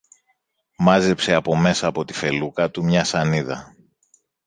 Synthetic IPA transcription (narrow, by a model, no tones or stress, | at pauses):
mɐze̞pseɐpo̞me̞sɐːpo̞t̪i̥fe̞lukɐt̪umɲɐsɐniðɐ̰